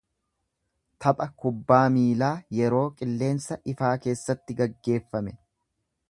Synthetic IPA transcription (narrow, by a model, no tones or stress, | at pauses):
t̪ʰɐpʼɐkʊbːaːmiːlaːjɛɾo̞ːkʼɪlːe̞ːnsɐʔɪfaːke̞ːsːɐt̪ːɪɡɐɡːe̞ːfːɐmɛ